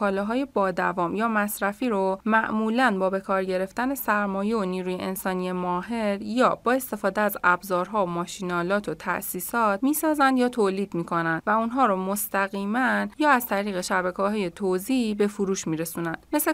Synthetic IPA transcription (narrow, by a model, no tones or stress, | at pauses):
ɒːlɒːɦɒːje̞bɒːd̪ævɒːmjɒːmæsɾæfiːɾomæʔmuːlænbɒːbe̞kʰɒːɾɟe̞ɾe̞ft̪æne̞sæɾmɒːjeoniːɾuːjeʔensɒːnije̞mɒːɦe̞ɾjɒːb̥ɒːe̞st̪e̞fɒːd̪eæzæbzɒːɾɦɒːmɒːʃinɒːlɒːt̪ʰot̪ʰæ̰ʔsiːsɒːt̪ʰmiːsɒːzænd̪jɒːt̪ʰoːliːd̪miːkʰo̞nænd̪̥væunɦɒːɾomost̪æɣiːmænjɒːæz̥t̪ʰæɾiːɣeʃæbækʰɒɦɒːje̞t̪ʰozibe̞fuɾuːʃmiːɾe̞sunænd̪mesle